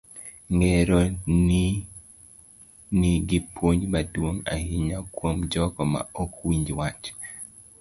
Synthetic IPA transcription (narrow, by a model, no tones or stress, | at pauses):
ŋɛɾɔni | niɡɪpʰwoɲbadwoŋa̰hiɲakwomd͡ʒɔkɔma̰ɔkwiɲd͡ʒwat͡ʃ